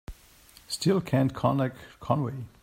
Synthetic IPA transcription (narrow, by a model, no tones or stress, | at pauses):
stɪlˠkʰæ̃ntkʰɔ̃nɛkkʰːɔ̃nweɪ